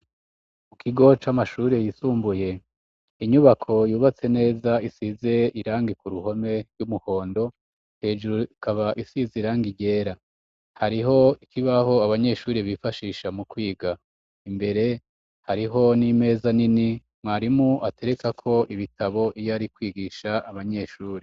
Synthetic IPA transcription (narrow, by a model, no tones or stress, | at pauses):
mukʰiɡo̞t͡ʃamaʃuːɾejisuːmbuje̞ | iɲuβakʰo̞juːβat͡se̞ne̞ːzaisize̞iɾaːŋɡikuɾuho̞me̞ɾɡumuho̞ːndo̞ | he̞ːʒuɾuikaβaʔisiziɾaːŋɡiɟe̞ːɾa | haɾiɦo̞ikʰiβaho̞aβaɲe̞ʃuːɾiβifaʃiːʃamukwiːɡa | imbe̞ɾe̞ | haɾiɦo̞nime̞ːzanini | mŋaːɾimuʔate̞ɾe̞kakʰo̞ʔiβitʰaβo̞ʔijaɾikwiːɡiːʃaːβaɲe̞ʃuːɾi